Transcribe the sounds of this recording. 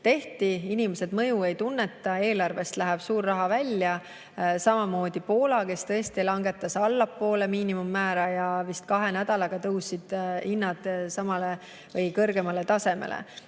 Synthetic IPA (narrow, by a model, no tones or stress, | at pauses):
t̪e̞ht̪iinimese̞d̪mɤjue̞jt̪unːe̞t̪ːˑɑe̞ːlɑrve̞st̪læɦɛb̥suːrːɑɦɑvælʲːjɑ | sɑmɑmo̞ːd̪̥ipo̞ːlɑke̞st̪ɤest̪ilɑŋɡe̞t̪ːˑɑsɑlːɑpːo̞ːle̞miːnimumːæːɾɑjɑvist̪̚kɑɦe̞næd̪̥ɑlɑɡ̥ɑt̪ɤwsid̪̥inːɑd̪̥sɑmɑle | vɤjkɤrɡ̥e̞mɑle̞t̪ɑse̞me̞̰lḛ